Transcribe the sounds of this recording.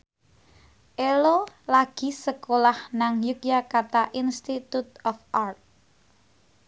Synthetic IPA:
ʔelolaɡ̥i̤səkolahnaŋjukjakat̪aʔinst̪it̪ut̪̚ɔfʔart̪̚

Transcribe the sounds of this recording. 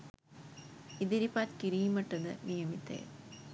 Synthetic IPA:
id̪iɾipːaːt̪kiɾijimɐʈːɐðɨnijɐmit̪ːḛ

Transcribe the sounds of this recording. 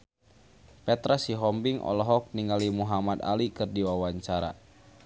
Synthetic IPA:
pɛt̪ɾasiɦɔmbiŋʔɔ̰lɔɦɔk̚niŋalimuɦamad̪a̰likɨrdiwawaɲt͡ʃaɾa̰

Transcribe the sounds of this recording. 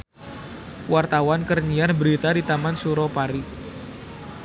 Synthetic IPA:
wart̪awankərɲiarbəɾit̪adit̪amansuɾɔpaɾi

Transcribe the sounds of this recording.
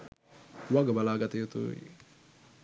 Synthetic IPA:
waɡabalaɡat̪ijut̪ṵḭ

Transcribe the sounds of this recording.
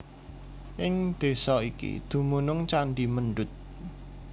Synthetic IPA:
ʔɪŋd̪̥e̤sɔikḭd̪̥ṳmunʊŋt͡ʃanɖimənɖʊt̪̚

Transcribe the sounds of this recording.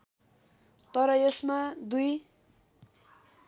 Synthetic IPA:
t̪ʌɾʌesmad̪uj

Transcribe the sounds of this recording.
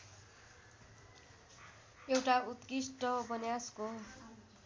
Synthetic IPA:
ewʈaut̪kisʈʌbʌnjasko

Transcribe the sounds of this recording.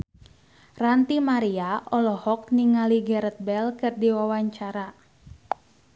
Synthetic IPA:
rant̪imaɾiaɔlɔhɔk̚niŋaliɡɛɾət̪̚bɛlkɨrdiwawaɲt͡ʃaɾa

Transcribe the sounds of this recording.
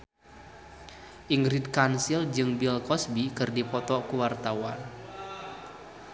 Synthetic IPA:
ʔiŋɡɾid̪̚kansild͡ʒɨŋbilkɔsbikɨrdipɔt̪ɔkuwart̪awan

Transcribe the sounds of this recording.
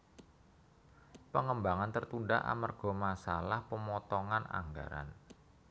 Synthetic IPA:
pəŋəmbaŋant̪ərt̪unɖaʔa̰mərɡ̥ɔ̤masalahpəmɔt̪ɔŋana̰ŋɡa̰ɾa̰n

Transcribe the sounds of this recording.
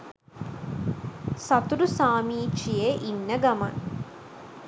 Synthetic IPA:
sɐt̪uɾusaːmiːt͡ʃijeʔinːəɡɐmɐ̰n

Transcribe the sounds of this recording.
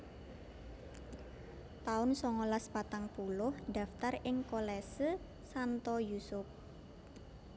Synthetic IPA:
t̪aʊnsɔŋolaspat̪aŋpulʊhd̥a̤ft̪arɪŋkolɛsə | sant̪ɔjusʊp̚

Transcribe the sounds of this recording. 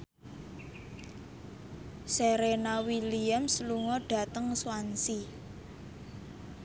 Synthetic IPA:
seɾenawiliəmsluŋɔɖ̥a̤t̪əŋswansi

